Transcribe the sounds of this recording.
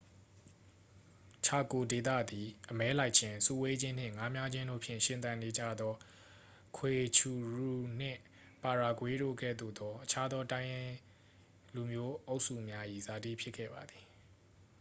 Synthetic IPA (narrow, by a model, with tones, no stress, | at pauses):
t͡ɕʰa˨ko˨de˨t̪ä̰˦˨d̪i˨ʔəmɛ˦la˦ɪʔt͡ɕʰɪ̃˨sṵ˦˨we˦d͡ʑɪ̃˦n̥ɪ̰̃˦˨ŋa˨˦mja˦d͡ʑɪ̃˦ndo̰˦˨pʰjɪ̰̃˦˨ʃɪ̃˨t̪ã˨ne˨d͡ʑä̰˦˨d̪ɔ˦ | kʰwe˨t͡ɕʰu˨ɹu˨n̥ɪ̰̃˦˨ | pa˨ɹa˨ɡwe˦ɾo̰˦˨ɡɛ̰˦˨d̪o̰˦˨d̪ɔ˦ʔət͡ɕʰa˦d̪ɔ˦tã˦ɪ̃jɪ̃˦ | lu˨mjo˦ʔo˦ʊʔsṵ˦˨mja˦ʔḭ˦˨za˨dḭ˦˨pʰjɪ˦ʔkʰːɛ̰˦˨ba˨d̪i˨